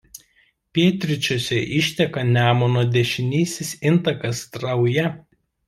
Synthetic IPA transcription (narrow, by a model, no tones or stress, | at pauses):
pʲeːt̪ʲɾʲɪt͡ʃʲoːsʲɛʔɪʃʲt̪ʲɛkɐnʲæːmonoːd̪ʲɛʃʲɪnʲiːsʲɪsɪnt̪ɐkɐst̪ɾɐʊjɛ